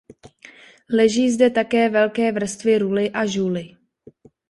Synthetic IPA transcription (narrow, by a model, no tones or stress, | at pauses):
lɛʒiːzdɛt̪akɛːvɛlkɛːvr̩st̪vɪɾulɪʔaʒuːlɪ